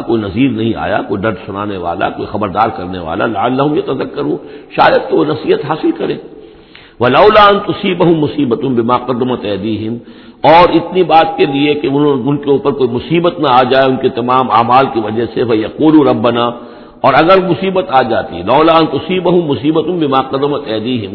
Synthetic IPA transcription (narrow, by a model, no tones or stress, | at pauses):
koːinɐziːlnɐɦĩa̰ːja̰koːiɖɐɖsʊnaːneʋa̰ːla̰ko̰ːixɐbəɾd̪aːɾkɐɾneʋa̰ːla̰lɐʕalːɐɦʊmjɐt̪ɐzɐkːɐɾuːʃa̰ːjəd̪̚keʋonɐsiːət̪ɦaːsɪlkɐɾḛ̃ː | ʋɐlɐʊlaːɐ̃nt̪ʊsiːbɐɦʊmːʊsiːbɐt̪ʊmbɪmaːqɐd̪ːɪmat̪ɐd̪iːɦɪm | ɔːɾɪt̪nibaːt̪̚keliekeʊnʊnkeuːpəɾkoːimʊsiːbət̪naaːd͡ʒaːeʊnkit̪ɐmaːmaːmaːlkiʋɐd͡ʒəɦsefɐjɐquːluɾɐbːɐnaː | ɔːɾɐɡəɾmʊsiːbət̪aːd͡ʒaːt̪ḭlɐʊlaːɐ̃nt̪ʊsiːbɐɦʊmːʊsiːbət̪ʊnbɪmaːqɐd̪ɪmɐt̪ɛːd̪iːɦɪ̃m